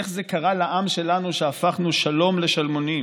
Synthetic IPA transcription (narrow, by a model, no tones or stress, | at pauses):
eχze̞kaʁalaʔamʃe̞lanuʃeafaχnuʃalo̞mle̞ʃalmonim